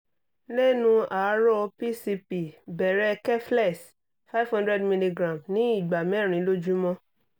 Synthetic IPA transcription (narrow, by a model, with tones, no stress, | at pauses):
le˦nũ˧a˨˦ɾɔ˦˧pi˦si˧pi˨bɛ˨ɾɛ˦˧kɛ˦flɛ˦˨s | fa˦jvhɔ̃˦ndɾɛ˦dmĩ˧li˧ɡɾã˨mnĩ˨˦i˦˨ɡ͡ba˨mĩ˨˦ɛ˦˨ɾ̃ĩ˨˦lo˦d͡ʒu˦mɔ̃˦